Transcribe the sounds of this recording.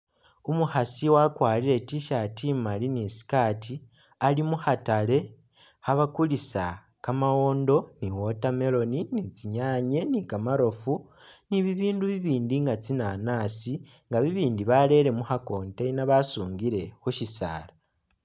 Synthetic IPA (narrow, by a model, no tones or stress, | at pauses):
umuhasiwakwaːliɾe̞tiʃatimalinisi̥kaːti | alimuhatale̞ | haβakulisa | kamawo̞ːndo̞niwo̞tame̞lo̞ninit͡siɲaːɲe̞nikamaɾo̞funiβiβiːnduβiβiːndiŋɡat͡sinanaːsi | ŋɡaβiβiːndiβale̞ɾe̞muhako̞ːnteinaβasuːŋɡiɾe̞xuʃisa̰ːla